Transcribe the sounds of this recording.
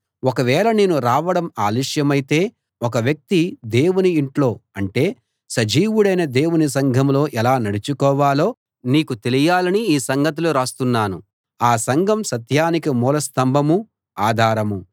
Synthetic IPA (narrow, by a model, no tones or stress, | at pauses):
ɔkɐʋɛːɭɐneːnuɾaːʋɐɽɐmaːliʂjɐmɐjit̪e̞ː | ɔk̬ɐʋjɐk̚t̪id̪e̞ːwuniːɳʈlo̞ːɐɳʈe̞ː | sɐd͡ʒiːʋuɽɐjnɐd̪e̞ːwunisɐŋɡʱɐmlo̞ːʔɛlaːnɐɽit͡ʃukɔːʋaːlo̞ː | niːkut̪e̞lijaːlɐniiːsɐŋɡʱɐt̪̬uluɾaːst̪unːaːnṵ | aːsɐŋɡʱɐmsɐt̪jaːnikimuːlɐst̪ɐmbʱɐmu | aːd̪ʱaːɾɐmu